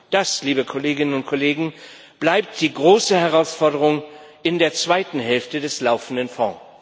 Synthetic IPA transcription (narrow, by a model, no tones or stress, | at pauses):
d̥asliːbəkʰɔleːɡɪnənʊnt̚kʰoleːɡŋ̩ | b̥laɪp̚td̥iːɡʁoːsəhɛʁaʊsfɔɐdəʁ̞ʊŋɪndeːɐt͡sv̥aɪtn̩ɦɛlftədɛslaʊfn̩dənfɔ̰̃